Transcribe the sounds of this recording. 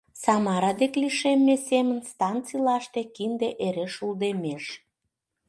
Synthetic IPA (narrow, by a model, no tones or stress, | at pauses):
sɑmɑɾɑd̪ekliʃemːesemənst̪ɑnt͡silɑʃt̪e̽kind̪eʔeɾeʃuld̪emeʃ